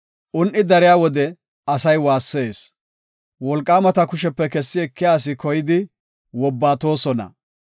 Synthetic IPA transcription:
ʔʊnʔɪd̪ɐɾɪjaːwɔd̪ɛ | ɐsɐjwaːsːeːs | wɔlkʼːaːmɐt̪ɐkʊʃɛpːɛkɛsːɪɛkːɪjaːs̬ɪkɔjɪd̪ɪ | wɔbːaːt̪o̞ːsɔnɐ̰

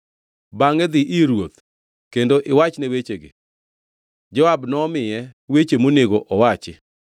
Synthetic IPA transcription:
baŋɛd̪ɪʔiɾwot̪ | kendoʔɪwat͡ʃnewet͡ʃeɡɪ̰ | d͡ʒɔabnɔmɪjɛwet͡ʃemoneɡoʔɔwat͡ʃɪ

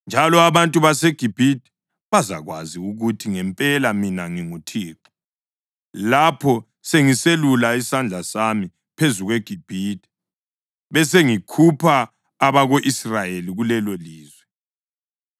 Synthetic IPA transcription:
nd͡ʒʱalɔaβantʼuβaseɡ̥ʱib̥ʱid̥ʱɛ̥ | βaza̰ɣwa̰ziuɣutʰiŋɛmpʼɛlaminaŋiŋutʰiːǃɔ̥ | lapʰɔ | seŋiselulaisand͡ɮʱasami | pʰezuɣweɡ̥ʱib̥ʱid̥ʱʼɛ̥ | βɛseŋikʰupʰaː | βaɣoʔisrajeliɣulɛloliːzwɛ

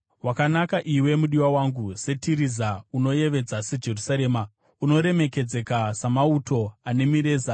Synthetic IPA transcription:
wakanakaʔiwe̞muɗiwawaŋɡuse̞tiɾizauno̞je̞ʋe̞d͡zased͡ʒe̞rusaɾe̞ːma | uno̞ɾe̞me̞ke̞d͡ze̞kasamauto̞ane̞miɾe̞ːza

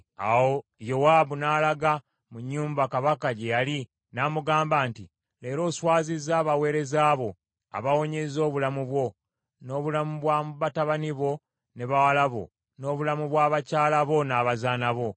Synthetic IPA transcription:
a̰wojo̞waːβunaːlaɡa | muɲːuːmbakaβakaɟejali | namuɡaːmbaːnti | le̞ːɾo̞ːswaːzizaːβawe̞ːɾe̞zaːβo̞ | a̰βawo̞ɲezo̞ːβulamuβwo̞ | no̞ːβulamuβwamβataβaniβo̞ | ne̞βawalaβo̞̰ | no̞ːβulamuβwaːβacaːlaβo̞naːβazaːnaβo̞

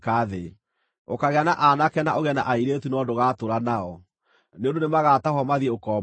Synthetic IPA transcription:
kaðe | okaɣeanaʔanakɛnaʔoɣɛna̰ʔaiɾetunɔdoɣatoɾanaɔ | neõndonemaɣataɦɔmaðiokɔ

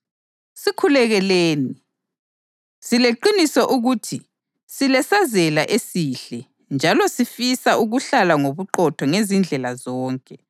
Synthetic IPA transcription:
sikʰulɛɣɛleːni | sileǃinisɔʔuɣutʰi | silɛsazɛlaʔesiɬɛ | nd͡ʒʱalɔsifisaʔuɣuɬalaŋoβuǃɔtʰɔŋezind͡ɮʱɛlazɔːŋkʼɛ

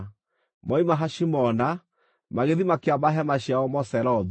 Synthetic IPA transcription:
mɔimaɦaʃimɔna | maɣeðimakeamaɦɛmaɕjaɔmɔsɛɾɔð

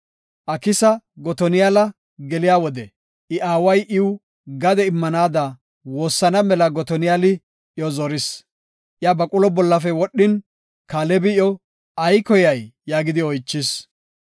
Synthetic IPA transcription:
ʔɐkɪsɐɡɔt̪ɔnɪjalɐ | ɡɛlɪjaːwɔd̪ɛ | ʔɪʔaːwɐjʔɪw | ɡɐd̪ɛɪmːɐnaːd̪ɐ | wo̞ːsːɐnɐmɛlɐɡɔt̪ɔnɪjalɪ | ʔɪjɔzɔɾɪs | ʔɪjabɐkʼʊlɔbɔlːɐfɛwɔɗːɪn | kaːlɛbɪjɔ | ɐjkɔjɐjːaːɡɪd̪ɪɔjt͡ʃːɪs

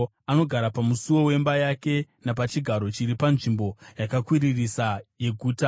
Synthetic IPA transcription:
ano̞ɡʱaɾapamusuwo̞we̞mbajake̞napat͡ʃiɡʱaɾo̞t͡ʃiɾipanʐimbo̞jakakwiririsaje̞ɡʱuːta

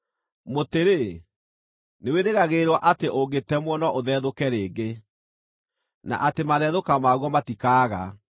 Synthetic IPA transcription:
moteɾe | neweɾeɣaɣeɾwɔʔateʔoɡetɛmwɔnɔʔoðɛːðokɛɾeːɡe | na̰ʔatemaðɛðokamaɣwɔmatikaːɣa

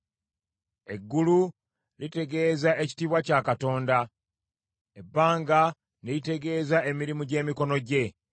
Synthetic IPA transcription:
e̞ɡːulu | lite̞ɡe̞ːzae̞ci̥tiːβwacakato̞ːnda | e̞bːaːŋɡa | neite̞ɡe̞ːzae̞miɾimuɟe̞ːmiko̞no̞ɟe̞

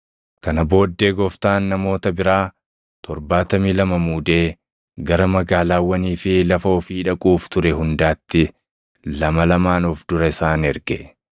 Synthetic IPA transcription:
kɐnɐbo̞ːd̪ːe̞ːɡɔft̪aːnːɐmo̞ːt̪ɐbɪɾaː | t̪ɔɾbaːt̪ɐmiːlɐmɐmuːd̪e̞ː | ɡɐɾɐmɐɡaːlaːwːɐniːfɪlɐfɐɔfiːᶑɐkʼuːft̪ʊɾɛɦʊnd̪aːt̪ːɪ | lɐmɐlɐmaːnʊfd̪ʊɾɐɪsaːnɛɾɡɛ

